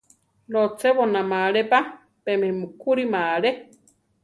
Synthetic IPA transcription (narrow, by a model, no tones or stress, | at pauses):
lot͡seβonamaɺepa | pemehmukuɾimaɺe